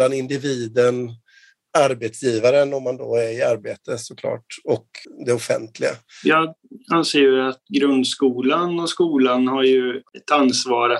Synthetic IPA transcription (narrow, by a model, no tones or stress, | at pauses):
anɪnd̪ɪviːd̪ən | aɾbet̪sjiːvaɾənɔmːand̪o̰ːæɾɪaɾbeːt̪əsʊkʰlɑ̰ːʈɔkd̪ɛʊfɛ̰nt̪ʰlɪɡa̰jɑːɡanseːjɵat̪ɡɾɵnd̪skuːlanɔskuːlanhaɾjɵɛt̪ansvɑːɾa